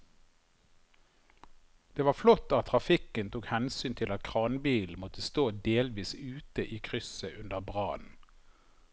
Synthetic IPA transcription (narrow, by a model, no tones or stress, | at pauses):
d̪̥eːʋɑːflɔt̪ːɑt̪ʰʁɑfɪkənt̪ʰuːkhɛnsyːnt̪ʰɪlɑt̪̚kʰʁɑːnbiːln̩mɔt̪əst̪oːd̪eːlʋiːsʉːt̪əʔiːkʰʁʏsəʔʉnd̪əʁbʁɑːnn̩